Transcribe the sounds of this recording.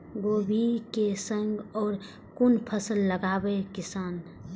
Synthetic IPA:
ɡoːbʱikesə̃ŋɡɔːɾ | kʊnpʰəsəlːəɡaːbekɪsaːn

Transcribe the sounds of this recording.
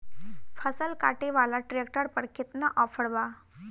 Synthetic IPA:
fʰəsəlkaʈeʋalaʈɾek̚ʈəɾpəɽkʰit̪naʔɔfəɽʋa

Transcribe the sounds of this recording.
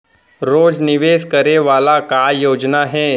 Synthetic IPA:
ɾoːd͡zniʋeːskəɾeʋalakajod͡ʒnaɦɛ

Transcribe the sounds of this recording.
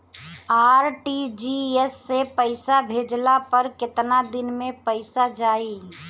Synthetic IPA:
aːɾʈid͡ʒiɛsːepəɪsabʱeːd͡ʒlapəɾkɪt̪nad̪ɪnmẽpəɪsad͡ʒaːi

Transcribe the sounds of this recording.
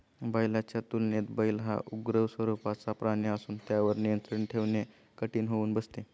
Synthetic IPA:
bəjlat͡ɕjat̪ulnet̪bəjlɦa̰ʔuɡɾəʋsʋəɾupat͡sapɾaɳjəsuːnt̪jaʋəɾnijənt̪ɾəɳʈʰeʋne | kəʈiːnɦouːnbəst̪e

